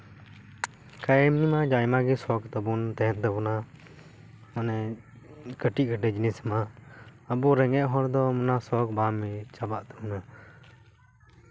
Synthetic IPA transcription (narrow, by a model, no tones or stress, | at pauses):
kajɛmnimad͡ʒajmaɡɛsɔkt̪əbunt̪ɛɦɛ̃nt̪əbuna | manɛ | kəʈiʔ̚kəɖɛd͡ʒnɛsmaəbuɾɛŋɛʔ̚ɦɔɾd̪ɔmɔnasɔkbamːɛt͡ʃabaʔt̪əbuna